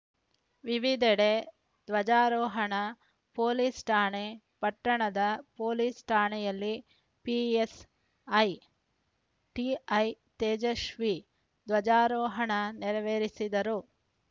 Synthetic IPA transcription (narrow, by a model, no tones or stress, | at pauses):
ʋiʋid̪ɛɽe | d̪ʋɐd͡ʒaːɾɔːɦɐɳɐ | poːlisʈʰaːɳe | pɐʈːɐɳɐd̪ɐpoːliːsʈʰaːɳɛjɐlːi | pies | ɐj | ʈiɐj | t̪eːd͡ʒɐʃʋi | d̪ʋɐd͡ʒaːɾɔːɦɐɳɐniɾɐʋeɾisid̪ɐɾu